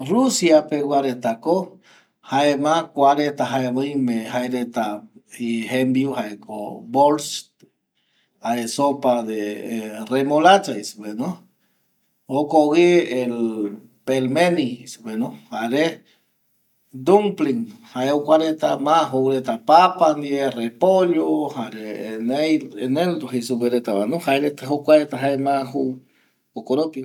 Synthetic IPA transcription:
rusjapewʷaɾet̪ako | haemãkʷaɾet̪aɦaeβojmẽɦaeɾet̪aiɦembiuhaekʰo̰bols | haesopad̪eremolat͡ʃaispenõ | okoɣiel | pelmeniisubenohaɾe | d̪umpliŋhaeokʷaɾet̪amaɦowɾet̪apapand̪ierepoʎohaɾeenejeneld̪oɦisubeɾet̪aβanũhaeɾet̪eɦokʷaɾet̪aɦaemaɦu | okoɾopi

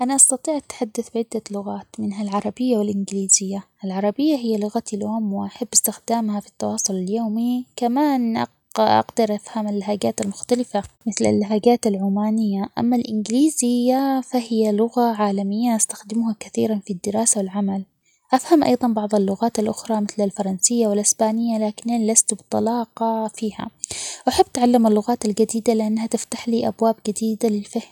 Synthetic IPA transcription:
ʔanaʔɑst̪ɑt̪ˤiːʕʔat̪ħad̪ːaθbɪʕɪd̪ːalʊɣaːt̪mɪnɦalʕɑɾˤɑbɪjːawɪlʔɪnɡɪliːzɪjːaʔalʕɑɾˤɑbɪjːaɦɪjːalʊɣat̪iljoːmwɪʔaħabːɪst̪ɪxd̪aːmhafi̥t̪ːɑwɑːsˤʊlaljoːmikamaːnʔ | ʔa̰ɡd̪ɑɾˤʔafhamalːaɦaɡaːt̪almʊxt̪alɪfamɪθla̰lːaɦaːɡaːt̪alʕuːmaːnɪjːaʔa̰mːalʔɪnɡɪliːzɪjːafahɪjalʊɣaʕaːlamɪjːaʔast̪ḁxd̪ɪmʊhakaθiːɾanfid̪ːɪɾɑːsawɪlʕamal | ʔafhamʔɑ̰jðˤɑnbɑʕðˤɑlːʊɣaːt̪alʔʊxɾˤɑmɪθlalfɑɾˤɑnsɪjːawɪlʔɪsbaːnɪjːalaːkɪnʔanlast̪bɪt̪ˤɑlɑːqɑfiːha̰wʔaħabːat̪ʕalːamalːʊɣaːt̪ald͡ʒad̪iːd̪alɪʔanːhat̪ɪft̪aħliːʔabwaːbd͡ʒad̪iːd̪alɪlfahm

